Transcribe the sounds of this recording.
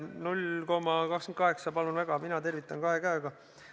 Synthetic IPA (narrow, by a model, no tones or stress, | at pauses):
nulʲko̞mɑkɑkskenkɑɦe̞ksɑpɑlunvæɡ̥ɑminɑt̪e̞rvit̪ːˑɑnkɑɦe̞kæøɡ̥ɑ